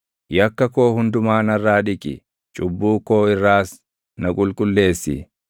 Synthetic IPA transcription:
jɐkːɐkoːhʊnd̪ʊmaːnɐrːaːᶑɪkʼɪ̰ | t͡ʃʼʊbːuːkːo̞ːɪrːaːs | nɐkʼʊlkʼʊlːe̞ːsːɪ̰

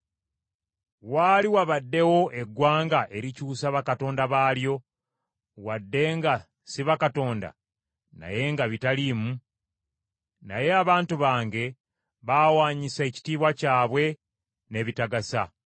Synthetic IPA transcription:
waːliwaβadːe̞wo̞ʔe̞ɡːwaːŋɡaʔe̞ɾicuːsaβakato̞ːndaβaːljo̞ | wadːe̞ŋɡa | siβakato̞ːnda̰ | na̰je̞ŋɡaβitaliːmu | naje̞aβaːntuβaːŋɡe̞ | βawaːɲise̞ːci̥tiːβwacaːβwe̞ | ne̞ːβitaɡasa̰

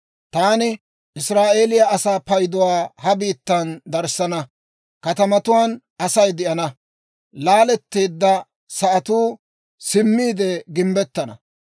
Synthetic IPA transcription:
t̪aːnɪ | ʔɪsɾaːʔe̞ːlɪjɐʔɐsaːpɐjd̪ɔwaːhɐbiːt̪ːɐnd̪ɐɾsɐnɐ | kɐt̪ɐmɐt̪ʊwaːn | ɐsɐjd̪ɪʔɐnɐ | laːlɛt̪ːeːd̪ːɐ | sɐʔɐt̪uː | sɪmːiːd̪ɛɡɪmbɛt̪ːɐnɐ̰

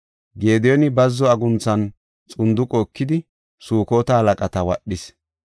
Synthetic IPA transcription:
ɡe̞ːd̪ɛjɔnɪbɐzːɔɐɡʊnt͡sːɐn | t͡sʼʊnd̪ʊkʼoːkːɪd̪ɪ | suːkoːt̪ɐhɐlɐkʼɐt̪ɐwɐ̰ɗːɪs

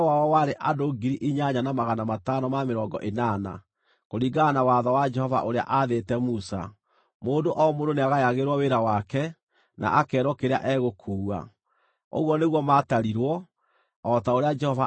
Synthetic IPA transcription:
wawɔwaɾeʔadoɡiɾiʔiɲaɲanamaɣanamatanɔmameɾɔːŋɡɔ̰ʔenana̰ | koɾiɡanawaːðɔwad͡ʒɛhɔva̰ʔoɾea̰ʔaðetɛmusa̰ | moːndoʔɔɔmondoneaɣajaɣeɾwɔweɾawakɛ | na̰ʔakɛːɾwɔkeɾea̰ʔɛɣokʰuːwa̰ | o̰ɣwɔneɣwɔmaːtaɾiɾwɔ | ɔtaoɾead͡ʒɛhɔva

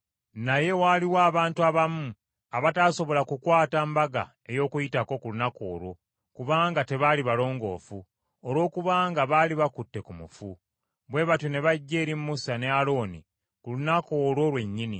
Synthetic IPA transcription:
naje̞waːliwaːβaːntuaβamu | aβataːso̞βo̞lakukwaːtambaɡa̰ | e̞jo̞ːkujitako̞kulunako̞̰ːɾo̞ | kuβaːŋɡate̞βaliβalo̞ːŋɡo̞̰ːfu | olwo̞ːkuβaːŋɡaβaːliβakutːe̞kumufu | βwe̞βatone̞βaɟːe̞ːɾimumusane̞alo̞ːni | kulunako̞ːlo̞lwe̞ɲːini

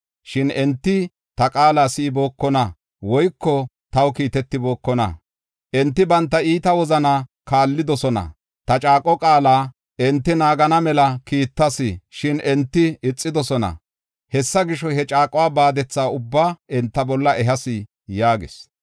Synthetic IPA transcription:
ʃɪnɛnt̪ːɪ | t̪ɐkʼaːlaːsɪːbo̞ːkːɔnɐ | wɔjkːɔ | t̪ɐwkiːt̪ɛt̪ːɪbo̞ːkːɔnɐ̰ | ʔɛnt̪ːɪbɐnt̪ːɐiːt̪ɐwɔzɐna | kaːlːɪd̪ɔsɔnɐ̰ | t̪ɐt͡ʃʼaːkʼːɔkʼaːlaː | ɛnt̪ːɪnaːɡɐnɐmɛlɐkiːt̪ːɐsɪʃɪnɛnt̪ːɪɪt͡sʼːɪd̪ɔsɔnɐ̰ | hɛsːɐɡɪʃɔhɛt͡ʃʼaːkʼɔwaːbaːd̪ɛt͡sːaːʊbːaːɛnt̪ːɐbɔlːɐɛɦɐsɪ | jaːɡɪ̰s

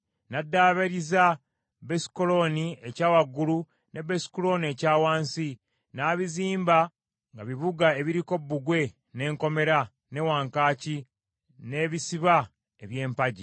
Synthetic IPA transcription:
nadːaːβeɾiza | besi̥kolo̞niecaːwaɡːulu | nʔe̞besi̥kulo̞nie̞caːwaːnsi | naːβiziːmba | ŋɡaβiβuɡae̞βiɾiko̞bːuɡwe̞ | ne̞ːŋko̞me̞ɾa | ne̞waːŋkaːci | ne̞βisiβa | eβje̞ːmpaɟi

